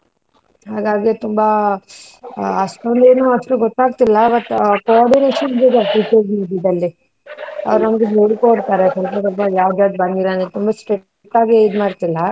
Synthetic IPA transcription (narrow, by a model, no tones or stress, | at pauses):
ɦaːɡaːɡet̪umbɐ | ɐsʈond̪e̞ːnuːɐʂʈuɡɔt̪ːaːɡ̚t̪ilːɐbɐʈːkoaːɾɖineːʃɐnbid̪ɐʈiːt͡ʃɐɾzmiːɖid̪ɐlːi | ɐ̰ʋɾunɐmɐɡeɦeːɽkoːɽt̪aːɾekɐɾkut̪ubajaːʋd͡ʒaːɡ̪bɐnd̪ilɐnet̪umbɐsʈɾeʈ | ʈːaːɡeid̪maːɾt̪ilːɐ